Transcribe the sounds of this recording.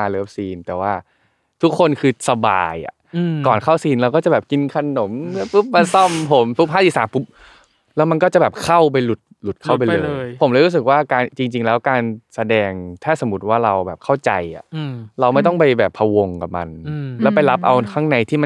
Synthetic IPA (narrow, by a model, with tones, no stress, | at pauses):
a˧lɤː˦˩p̚siː˧nt̪ɛː˨˩waː˥˩ | t̪ʰu˦˥kʰːo˧nkʰɯː˧sa˧ba̰ː˧ja̰˨˩ʔkɔː˨˩nkʰa˥˩wsiː˧nɾa˧wkɔː˥˩t͡ɕa˨˩bɛː˨˩p̚ki˧nkʰa˧no˩˦m˦˥pɯ˦˥p̚ma˧sɔ˥˩mpʰo˩˦mpʰu˦˥p̚ʰaː˥˩i˧˩˥saː˨˦mpʰu˦˥p̚ | lɛː˦˥wma˧nkɔː˥˩t͡ɕa˨˩bɛː˨˩p̚kʰa˥˩wp̬a˧jlu˨˩t̪̚lu˨˩t̪̚kʰa˥˩˨p̬a˧jlːjpʰo˩˦mlɛː˧˥˩ɾu˦˥s̬ɯ˨˩k̚waː˥˩kaː˧nt͡ɕi˧ŋt͡ɕi˧ŋlɛː˦˥wkaː˧nsa˧dɛː˧ŋt̪ʰaː˥˩so˩˦mu˦˩t̪̚waː˥˩ɾa˧wbɛː˨˩p̚kʰa˥˩wt͡ɕa˧jʔa̰˨˩˧ɾa˧wma˥˩jt̪ɔ˥˩ŋpa˧jbɛː˨˩pʰːa˧wo˧ŋka˨˩p̚ma̰˧nlɛː˦˥wpa˧jla˦˥p̚ʔa˧wkʰaː˦˥˩ŋna˧jt̪ʰiː˥˩ma˧n